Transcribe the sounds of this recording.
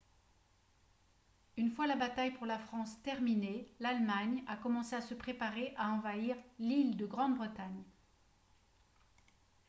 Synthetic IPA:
ynfwalabat̪ajpuʁlafχɑ̃st̪ɛʁminelalmaɲakɔmɑ̃seasəpχepaʁeʔaɑ̃vaiʁlild̪əɡʁɑ̃d̪bʁət̪aɲ

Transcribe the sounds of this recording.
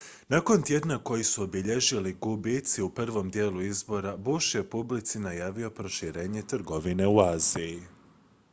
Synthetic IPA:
nako̞nt̪je̞d̪nako̞jisuobiʎe̞ʒiliɡubit̪siupr̩ʋo̞md̪je̞ːluizbo̞ɾabuʃjepublit̪sinajaːʋio̞pɾo̞ʃiɾe̞ːɲe̞t̪rɡo̞ʋine̞uaːziji

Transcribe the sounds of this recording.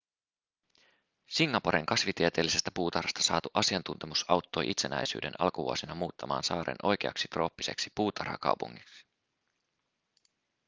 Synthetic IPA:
siŋːɑpoɾeŋkɑsʋit̪iet̪e̞ːlːisest̪æpuːt̪ɑrhɑst̪ɑ̥sɑ̰ːt̪uʔɑsiɑnt̪unt̪e̞musɑwt̪ːo̞jʔit̪se̞næ̰jsy̰ːde̞̰nɑ̰lkuʋṵosinɑmuːt̪ːɑmɑ̰ːnsɑːɾḛnʔo̞jk̟ḛɑ̰ksi̥t̪ro̞ːpːi̥sḛksi̥puːt̪ʰɑ̰rhɑ̰kɑ̰uwpṵŋːiksi̥

